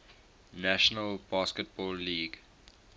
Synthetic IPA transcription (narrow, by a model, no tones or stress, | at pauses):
næʃənəlb̥ɑskət̚bɔːlːiːɡ